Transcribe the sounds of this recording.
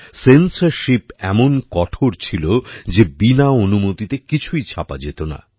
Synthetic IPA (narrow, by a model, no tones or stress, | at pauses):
sensaɾʃipɛmonkɔʈʰoɾt͡ɕʰilod͡ʑebinaonumot̪it̪ekit͡ɕʰujt͡ɕʰapa̰d͡ʑet̪ona̰